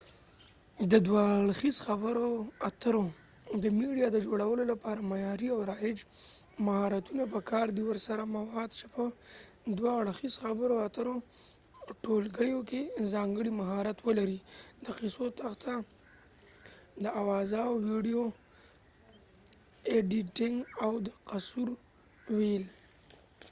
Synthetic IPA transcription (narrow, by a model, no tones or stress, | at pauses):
d̪əd̪wɑɽxizxabəɾoat̪əɾo | d̪əmiɽijɑd̪əd͡ʒoɽawəlolapɑɾamajɑɾiawɾɑjɪd͡ʒmahɑɾat̪unapəkʰɑɾd̪iwəɾsaɾamawɑd̪̚t͡ʃepə | d̪wɑɽxizxabəɾoat̪əɾo | ʈolɡəjokezɑŋɡəɽimaɦɑɾat̪wəlaɾid̪əqɪsot̪axt̪a | d̪əawɑzawwiɖijo | eɖiʈɪŋɡawd̪əqasuɾ | wil